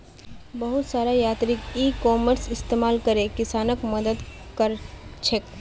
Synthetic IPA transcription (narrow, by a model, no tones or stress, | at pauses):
bɐɦʊt̪saːɾajaːt̪ɾɪkiːkɔːməɾsɪst̪eːmaːlkɐɾekɪsaːnəkmɐd̪əd̪ | kəɾt͡ʃʰek